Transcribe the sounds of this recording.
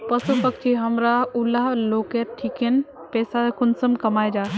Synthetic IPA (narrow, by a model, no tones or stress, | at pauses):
pɐsupɐk̚t͡ʃʰiɦɐmɾaulaloːkeːɾʈʰiken | pɛːsakʊnsəmkɐmaːjd͡ʒaː